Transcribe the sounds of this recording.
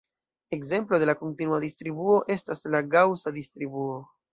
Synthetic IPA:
e̞kze̞mplo̞delako̞ntinuadistɾibuo̞ʔe̞staslaɡawsadistɾibuo̞

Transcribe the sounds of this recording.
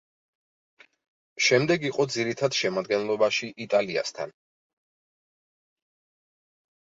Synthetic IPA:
ʃɛmd̪ɛɡiqʼɔd̪ziɾit̪ʰad̪ʃɛmad̪ɡɛnlˠɔbaʃiʔit̪ʼalia̰st̪ʰa̰n

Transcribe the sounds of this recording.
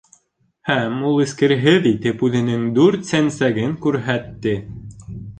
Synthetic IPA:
hæmulˠɘ̆skɘ̆ɾɦɘðit̪ɘpʉðɘ̆nɘŋd̪ʉɾt̪sænsæɡɘŋkʉɾɦæt̪ːɘ

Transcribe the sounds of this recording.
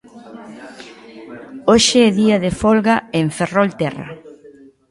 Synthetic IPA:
oʃeɛðiɐðefolɣaeɱferolt̪ɛrɐ̰

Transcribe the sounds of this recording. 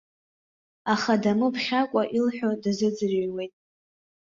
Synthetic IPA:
aχadamɨpʰχʲakʷʼaʔilħᶣodazɨd͡zɨrɥwe̞jtʼ

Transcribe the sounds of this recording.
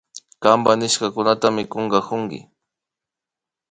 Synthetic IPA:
kambanɪʃkakʊnat̪amɪkoɴɢɑkʊŋɡɪ̰

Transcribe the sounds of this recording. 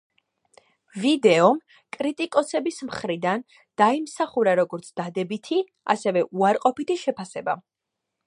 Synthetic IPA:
vid̪ɛɔm | kʼɾit̪ʼikʼɔsɛbismχɾid̪an | d̪̥aimsaχuɾaɾɔɡɔɾt̪sʰd̪̥ad̪ɛbit̪ʰi | a̰sɛvɛʔuaɾqʼɔpit̪ʰiʃɛpʰasɛba̰

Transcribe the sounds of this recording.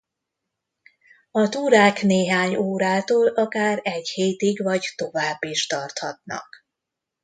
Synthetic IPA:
ɒt̪uːɾaːkneːɦaːɲoːɾaːt̪oːlɒkaːrɛɟheːt̪iɡvɒct̪o̞vaːbːiʃt̪ɒrt̪hɒt̪nɒ̰k

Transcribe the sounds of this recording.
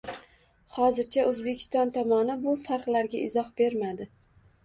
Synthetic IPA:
χɒzɪɾt͡ʃʰaʔɵzbe̞kʲʰɪ̥st̪ɒnt̪ʰɒmɒnɪbʊfaɾqlaɾɡʲaʔɪzɒhbe̞ɾmad̪ɪ

